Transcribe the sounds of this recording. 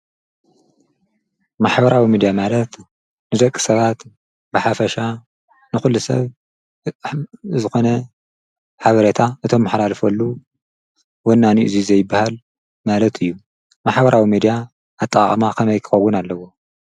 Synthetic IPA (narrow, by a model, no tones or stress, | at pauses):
maħbɐɾawimid̪ijamalɐt̪ | nɨzɐkʼːɨ̥sɐβat̪ | bɨħafɐʃa | nɨxulːusɐ̰β | zɨxo̞nɐ | ħaβɐɾet̪ʰaʔɨt̪ʰo̞mːɨħlalɨfɐlːu | wonːaniʔɨzizɐjɪbːahal | malɐt̪ʰɨjːu | maħbɐɾʔawimid̪ijaː | t̪ʼːɐχʼɐmakʰɐmɐjkʰɨ̥xɐwːʊnalːɐwo̞